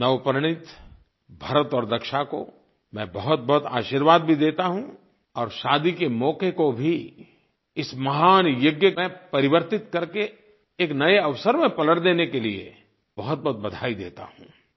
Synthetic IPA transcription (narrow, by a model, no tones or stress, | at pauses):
nɐʋpɾɽ̃ɪt̪ | bʱɐɾət̪ɔːɾd̪ɐkʃako̰ | mɛ̃bɐɦʊt̪̚bɐɦʊt̪a̰ːʃiːɾʋaːd̪̚bʱid̪eːt̪aɦũ | ɔːɾʃaːd̪ikemɔːkekobʱi | ɪsmɐɦaːnjʊɡjəmẽpɐɾɪʋəɾt̪ɪt̪kɐɾke | eːknɐeɐʋsəɾmẽpɐləɽd̪eːnekeliḛ | bɐɦʊt̪̚bɐɦt̪̚bɐd̪ʱaːid̪ḛːt̪a̰ɦũ